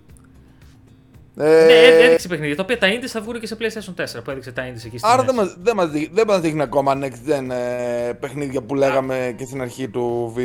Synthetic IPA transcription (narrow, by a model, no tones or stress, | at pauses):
eeeksepe̞xniðʝɐt̪ɐopiɐt̪ɐind̪isθɐvɣuneceseplesiesont̪e̞se̞ɾɐpue̞ðikset̪ɐind̪isecisɐɾðemɐðemɐzðiðemɐzðixniɐko̞mɐneksd̪enpe̞xniðʝɐpule̞ɣɐmece̞st̪inɐɾçit̪uvi